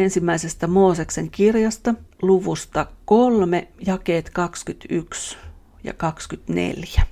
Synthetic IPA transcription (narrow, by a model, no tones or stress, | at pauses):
ensimːæisest̪æmoːsekseŋkirjɑst̪ɑluʋust̪ɑkolmejɑkeːt̪kɑkskyt̪yks | jɑ̰kɑkskyt̪nḛljæ